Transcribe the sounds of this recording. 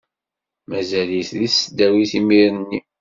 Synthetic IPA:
mæzælisðisəd̪æwiθimiɾnːi

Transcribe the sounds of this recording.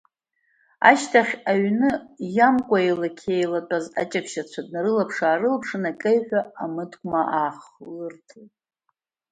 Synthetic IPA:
a̰ʃtʰaχʲaɥnɨjamkʷʼaelakʲʰejlatʼaza̰t͡ʃʼakʷʰʃat͡ɕʷʰad̚naɾɨlapʰʂaːɾɨlpʰʂɨnakʼejħʷᶣaamɨtkʷʼmaʔaːχlɨrtʰtʼ

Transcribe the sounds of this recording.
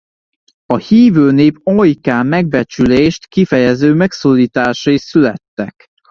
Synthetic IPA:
ɒhiːvøːneːpojkaːmɛɡ̚bɛt͡ʃyleːʃt̪kifɛjɛzøːmɛksoːlːiːt̪aːʃɒisylɛ̰t̪ːɛk

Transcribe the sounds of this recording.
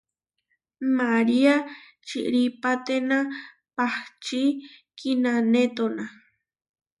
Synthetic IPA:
maɾia | t͡ʃiʔɾipat̪enã | paht͡ʃikinanet̪ona

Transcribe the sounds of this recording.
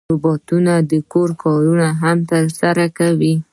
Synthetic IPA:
ubɑt̪unad̪əkoɾkʰɑɾunaɦamt̪əɾsaɾakawi

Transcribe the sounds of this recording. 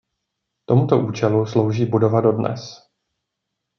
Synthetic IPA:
t̪o̞mut̪o̞ʔuːt͡ʃɛluslo̞wʒiːbudo̞vado̞dnɛ̰s

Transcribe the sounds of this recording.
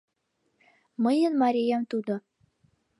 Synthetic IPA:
mɤ̆jɤnmɑɾʲijɑmt̪ud̪ɤ

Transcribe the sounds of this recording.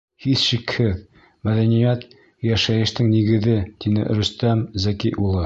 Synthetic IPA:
hiθʃikhɘð | mæðænijæt̪ | jæʃæjɘ̆ʃt̪ɘŋniɡɘ̆ðɘt̪inɘ̰ɾɵ̆st̪æmzækijʔulˠɤ

